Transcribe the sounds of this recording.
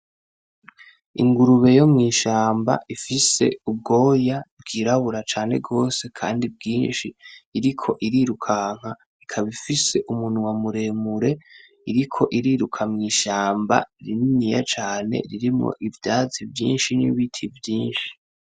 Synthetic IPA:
ḭŋɡuɾuβe̞jo̞mŋiːʃaːmba̰ʔifise̞̰ub̚ɡo̞ːjabɡiːɾaβuɾat͡ʃaːne̞̰ɡo̞ːse̞kʰa̰ːndib̚ɡiːnʃiːɾikʰo̞ʔiɾiɾukʰaŋ̥ha | ikʰaβifise̞ʔumuːn̥huwamuɾe̞ːmuɾe̞ | iɾikʰo̞ʔiɾiːɾukʰamŋiːʃaːmba̰ɾininija̰t͡ʃaːne̞̰ɾiɾimŋo̞̰ʔivjaːzivjḭːnʃinḭβitʰivjiːnʃi̥

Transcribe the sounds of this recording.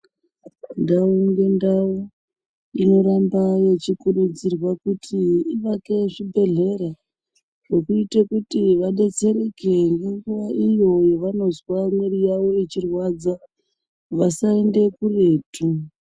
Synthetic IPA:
ndauŋɡe̞ndau | ino̞ɾambaje̞t͡ʃikuɗud͡zirwakutʰiiʋake̞ʐibʱe̞ɮe̞ɾa | ʐe̞kuitekutiʋaɗe̞t͡se̞ɾeke̞ŋɡeŋɡuʋaʔijo̞jeʋano̞zwamweɾijaʋo̞et͡ʃirwad͡za | ʋasaende̞kure̞ːtu

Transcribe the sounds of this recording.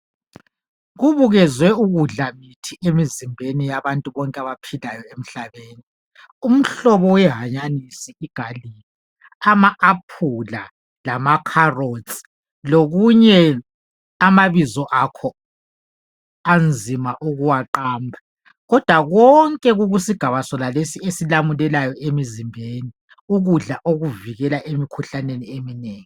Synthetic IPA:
ɣuβuɣɛzwɛuɣuɮamitʰiemizimbʱenijaβantʼuβɔŋkʼaβapʰilajɔem̩ɬaβeːni | um̩ɬɔβɔwɛɦaɲanisiiɡ̥ʱalili | amaːpʰula | lamakʰarot͡sʼi̥ | loɣuɲɛ | amaβizɔʔakʰɔ | and͡zʱimaʔuɣuwaǃaːmbʱa | ɣɔd̥ʱwaɣɔŋkʼɛɣuɣusiɡ̥ʱaβasɔlalesiesilamulɛlajɔʔemizimbʱeni | uɣuɮaʔoɣuviɣɛlaʔemikʰuɬaneniemineːŋi

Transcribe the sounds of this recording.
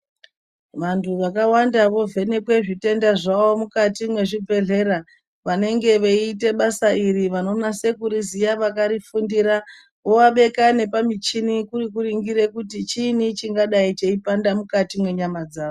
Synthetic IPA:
ʋantʰuʋakawandaʋo̞ve̞ne̞kwe̞ʐite̞ndaʐawo̞mukatimwe̞ʐibʱe̞ɮe̞ɾa | ʋane̞ŋɡe̞ʋe̞iːte̞ɓasairiʋano̞nase̞kuɾizijaʋakaɾifundiɾa | ʋo̞waɓe̞kane̞pamit͡ʃinikurikuriŋɡiɾe̞kutit͡ʃinit͡ʃiŋɡaɗait͡ʃe̞ipandamukatimwe̞ɲamad͡zaːo

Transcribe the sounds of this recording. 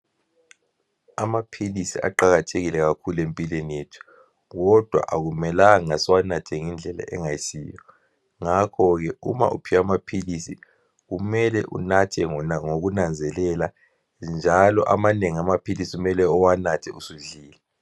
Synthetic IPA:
amapʰilisia̰ǃaɣatʰeɣilɛɣakʰulempʼilenijetʰu̥ | ɣɔd̥ʱwa̰ʔaɣumɛlaŋaswanatʰɛŋind͡ɮʱɛla̰ʔɛŋaisḭːjɔ | ŋakʰɔɣɛṵma̰ʔṵpʰiwamapʰilisḭ | ɣumɛlɛʔṵnatʰɛŋoɣunand͡zʱɛlɛla | nd͡ʒʱalɔʔamaneŋiamapʰilisiumɛlɛɔwanatʰɛusuɮiːlɛ

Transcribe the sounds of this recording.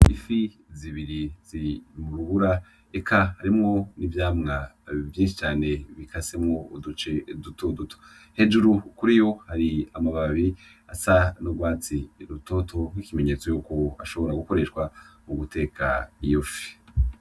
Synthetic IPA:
ḭfi | ziβiɾiz̥imuɾuβuɾa | ekʰahaɾimŋo̞nivjaːmŋa | vjiːnʃit͡ʃaːne̞βikʰasemŋo̞udut͡ʃe̞dutodutʰo̥ | he̞d͡ʒuɾukuɾijo̞haɾiamaβaβi | asanoɡwaːt͡siɾuto̞tʰo̞ŋwikime̞ɲe̞t͡sojukoa̰ʃo̞βo̞ɾaɡuko̞ɾe̞ʃkwamuɡute̞ːkʰa̰ijofi̥

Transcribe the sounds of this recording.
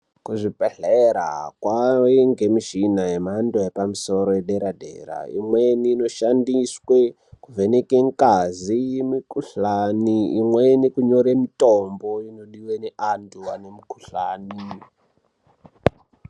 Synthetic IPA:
kuʐipeɬeɾa̰kwaweŋɡemiʃinajemandoepamuso̞ɾojeɗeɾadʱḛra̰ḭmweniːno̞ʃandiswe | kuvenekeŋkazijemikuɬaniḭmwenikuɲo̞ɾemitombo̞ino̞ɗiweneʔantʰuwanemukuɬaːni

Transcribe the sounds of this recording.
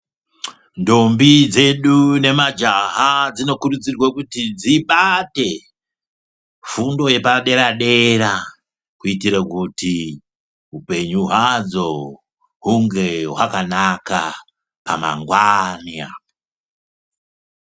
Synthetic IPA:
ndo̞mbid͡ze̞ɗune̞mad͡ʒaɦad͡zino̞kurud͡zirwakutid͡ziɓate̞ | fundo̞je̞paɗe̞ɾaɗe̞ɾa | kuitiɾakuti | ɦupe̞ɲuɦwad͡zo̞ | ɦuŋɡe̞ɦwakanaka | pa̰ma̰ŋɡwaniao

